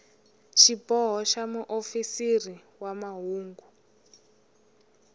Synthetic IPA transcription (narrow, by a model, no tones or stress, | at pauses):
ʃipɔɦɔʃamuʔofisiri | wamaɦuːŋɡu